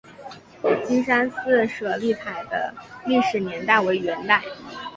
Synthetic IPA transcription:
t͡ɕi˥nʂa˥nsɹ̩˥˩ʂɤ˨˩li˥˩t͡sʰa˨˩ɪd̪ə̰˦li˥˩ʂɻ̩˨˩njɛ˧˥nt̪a˥˩ɪwe˧˥ɪɥɛ˧˥nt̪a˥˩ɪ

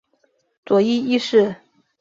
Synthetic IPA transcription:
t͡swɔ˨˧˥i˥i˥ʂɻ̩˥˩

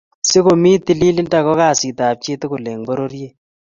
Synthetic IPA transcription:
sɪ˦ko˨mi˦ti˨li˦li˦n˦ta˨kɔ˦ka˨si˨ta˨p̚t͡ʃe˦tɪ˦ku˨le˨ŋbɔ˦ɾo˦ɾje˦

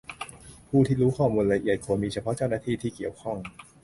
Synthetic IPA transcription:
pʰuː˥˩t̪ʰiː˥˩ɾuː˦˥kʰɔː˥˩muː˧nla˧ʔi˨˩ət̪̚kʰu˧˩˦miː˧t͡ɕʰa˧pʰɔ˦˥t͡ɕa˥˩wnaː˥˩t̪ʰiː˥˧˩t̪ʰiː˥˩ki˨˩əwkʰɔ˥˩ŋ

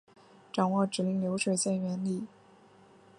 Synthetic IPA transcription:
ʈ͡ʂɑ˨˩ŋwɔ˥˩ʈ͡ʂɻ̩˨˩li˧˥ŋljo˧˥ʊʂwe˨˩ɪɕjɛ˥˩nɥɛ˧˥nli˥˩

